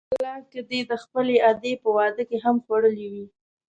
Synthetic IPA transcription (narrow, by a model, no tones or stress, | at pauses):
llɑked̪ed̪əxpəlead̪epəwɑd̪əkeɦamxwaɽəliwi